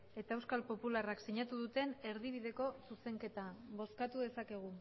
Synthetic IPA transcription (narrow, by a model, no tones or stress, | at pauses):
e̞t̪aewskalpo̞pularaksiɲat̪uðut̪e̞ne̞ɾðiβiðe̞ko̞suse̞ŋke̞t̪abo̞skat̪uðe̞sake̞ɣ̞u